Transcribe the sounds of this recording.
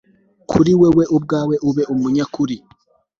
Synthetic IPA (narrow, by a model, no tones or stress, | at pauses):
kʰṵɾiweweʔub̚ɡaːweʔuβeʔumuɲakuɾi